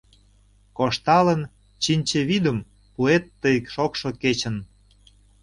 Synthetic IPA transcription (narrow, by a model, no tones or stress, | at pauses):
koʃt̪ɑlən | t͡ɕinʲt͡ɕeβid̪əm | puet̪ːəjəkʃokʃoket͡ɕən